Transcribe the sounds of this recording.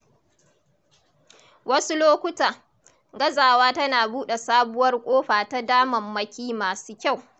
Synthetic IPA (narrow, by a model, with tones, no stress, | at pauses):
wɐ˦su˦loː˦kʷʊ˦taː˨ | ɡɐ˦zaː˨waː˦tɐ˦naː˨buː˦ɗe˨saː˦bʊ˦wɐ˦rkʷʼoː˦ɸaː˨ta˦daː˦mɐ˨mːɐ˦kʲiː˦maː˨suː˦kʲa˦˨w